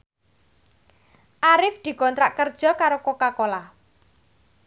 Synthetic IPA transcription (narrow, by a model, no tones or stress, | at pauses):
ʔaɾɪfd̪̥i̤kɔnt̪ɾaʔkərd̥ʒ̥ɔ̤kaɾokokakola